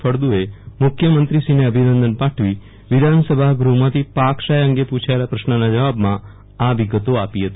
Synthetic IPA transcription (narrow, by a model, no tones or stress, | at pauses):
fʰəɾd̪uemʊkʰjəmənt̪ɾisineəbʱinənd̪ənpaʈʰʋi | ʋid̪ʱansəbʱaɡɾumãt̪ʰipakʃajəŋɡepũt͡ʃʰaelapɾəʃnənad͡ʒəʋabmã | aʋiɡət̪oapiɦət̪i